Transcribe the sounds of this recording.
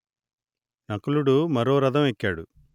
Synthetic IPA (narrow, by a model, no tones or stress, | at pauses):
nɐkuluɽumɐɾo̞ːɾɐd̪ɐmekːaːɽu